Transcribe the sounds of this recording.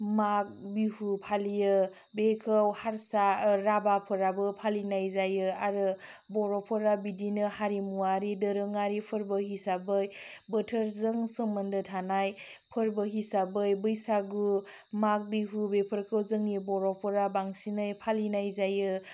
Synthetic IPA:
mak̚bihupʰalijɯ | bekʰɯwhaɾsaɾabapʰɯɾabɯpʰalinajzajɯaɾɯbɔɾɔpʰɯɾabidinɯhaɾimuaɾidəɾɯŋaɾipʰɯɾbɯɦisabɯjbətʰəɾzɯŋsɯŋmɯndɯtʰanaj | pʰɯɾbɯɦisabɯjbɯjsaɡu | mak̚biɦubepʰəɾkʰɯwzɯŋibɔɾɔpʰɯɾabaŋsinajpʰalinajzajɯ

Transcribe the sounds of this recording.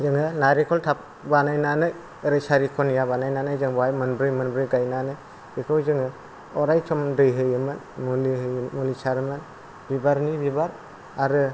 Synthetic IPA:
zɯŋɯnaɾikʰɔltʰap̚ | banajnanɯj | ɯɾɯjsaɾikʰɔnijabanajnanɯjzɯŋbajmɯnbɾɯjmɯnbɾɯjɡajnanɯj | bikʰɔwzɯŋɯ | ɔɾajt͡ʃʰɔmdɯjɦɯjɯmɯn | muliɦɯmulisaɾɯmɯn | bibaɾnibibaɾ | aɾɯ

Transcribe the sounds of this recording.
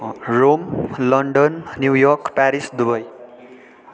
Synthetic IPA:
romlʌɳɖʌnːjuwjʌrkpaɾisd̪ubʌj

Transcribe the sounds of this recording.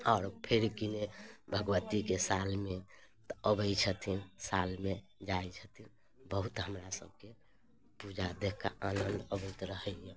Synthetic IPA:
ɔːɾpʰeɾkinebʱəɡwət̪ikesalmet̪ɔəbət͡ʃʰət̪ʰinsalme | d͡ʒajt͡ʃʰət̪ʰin | bəɦut̪ɦəmɾasə̰b̚ʱke | pud͡ʒad̪ekʰka̰ʔanənd̪əbət̪ɾəɦəjẽ

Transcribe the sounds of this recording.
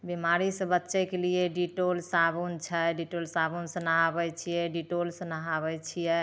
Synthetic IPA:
bimaɾisə̃bətːʃɛkelijeɖiʈolsabunt͡ʃʰəɖiʈolsabunsə̃naɦabɛt͡ʃʰijɛɖiʈolsənaɦabɛt͡ʃʰijɛ

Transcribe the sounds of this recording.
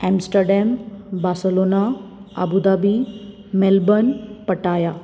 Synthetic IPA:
ɛmsʈəɾɖembaːsəlonaə̰bud̪aːbi | melbənpəʈaːja

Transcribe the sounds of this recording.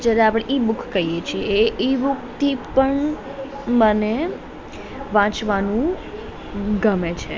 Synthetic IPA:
d͡ʒaɾeapɽ̃eʔibʊkʰkəijet͡ʃʰieeibuk̚t̪ʰipəɳ | məne | ʋãt͡ʃʋanũ | ɡəmet͡ʃʰe

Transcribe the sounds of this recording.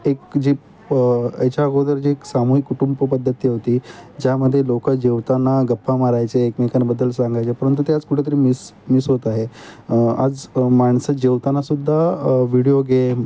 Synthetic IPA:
ekd͡ʑi | et͡ɕaɡod̪əɾd͡ʑieksamuɦikːuʈumbəpəd̪ʱːət̪ːijeʋt̪iːd͡ʑaməd̪ʱːjelokəd͡ʑeʋt̪anaɡəpʰːamaɾajt͡seːkmekanbəd̪ːəlsãŋɡajt͡sepəɾənt̪̬ut̪ead͡zkuʈʰet̪̬əɾiːmismisɦot̪aɦe | a̰d͡zmaɳsəd͡ʑeʋt̪anasud̪ʱːaʋiɽijoɡe

